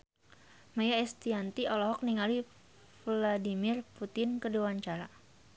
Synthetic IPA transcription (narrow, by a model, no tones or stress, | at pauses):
majaɛst̪iant̪iʔɔlɔɦɔk̚niŋali | fladimɪrput̪ɪnkəduwaɲt͡ʃaɾa